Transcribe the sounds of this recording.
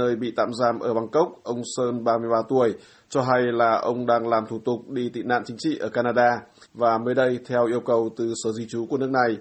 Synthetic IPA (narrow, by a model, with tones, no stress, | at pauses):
əː˧jɓḭ˧˨t̪a̰ː˧˨mzaː˧˩mʔəː˧˩ɓa˧˩ŋkə˦˥wk͡p̚ʔə˧wŋ͡msəː˧nɓaː˧mɨ˧əjɓaː˧t̪u˨˧˩əj | t͡ɕɔ˧ɦa˧jlaː˨˩ʔə˧wŋ͡mɗaː˧ŋlaː˨˩mt̪ʰu˧˩t̪ʊ˨˩k͡p̚ɗi˧t̪ḭ˧˨na̰ː˧˨nt͡ɕï˨˦ŋ̟t͡ɕḭ˧˨ʔəː˧˩kaː˧naː˧ɗaː˧vaː˨˩məː˨˦jɗə˧jt̪ʰɛ˧wʔi˧əwkə˨˩wt̪ɨ˨˩səː˨˦zi˧t͡ɕu˨˦ku˧˩n˦˥ək̚na˨˩j